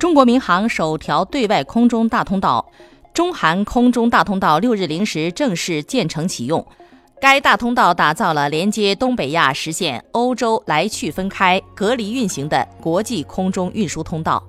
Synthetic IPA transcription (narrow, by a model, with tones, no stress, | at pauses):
ʈ͡ʂʊ˥ŋkwɔ˧˥mi˧˥ŋxɑ˧˥ŋʂo˨˩ʊt̪ʰjɑ˧˥ʊt̪we˥˧ɪwa˥˩ɪkʰʊ˥ŋʈ͡ʂʊ˥ŋt̪a˥˩t̪ʰʊ˥ŋt̪ɑ˥˩ʊ | ʈ͡ʂʊ˥ŋxa˧˥nkʰʊ˥ŋʈ͡ʂʊ˥ŋt̪a˥˩t̪ʰʊ˥ŋt̪ɑ˥˧ʊljo˥˧ʊɻ̩˥˩li˧˥ŋʂɻ̩˧˥ʈ͡ʂɤ˥˧ŋʂɻ̩˥˧t͡ɕjɛ˥˩nʈ͡ʂʰɤ˧˥ŋt͡ɕʰi˨˩jʊ˥˩ŋ | ka˥ɪt̪a˥˩t̪ʰʊ˥ŋt̪ɑ˥˩ʊt̪a˨˩t͡sɑ˥˩ʊlə˩ljɛ˧˥nt͡ɕjɛ˧˥t̪ʊ˥ŋpe˨˩ɪja̰˥˩ʂɻ̩˧˥ɕjɛ˥˩no˥ʊʈ͡ʂo˥ʊla˧˥ɪt͡ɕʰy˥˩fə˥nkʰa˥ɪkɤ˧˥li˧˥y˥˩nɕi˧˥ŋd̪ə̰˧kwɔ˧˥t͡ɕi˥˩kʰʊ˥ŋʈ͡ʂʊ˥ŋʔy˥˩nʂu˥t̪ʰʊ˥ŋt̪ɑ̰˥˩ʊ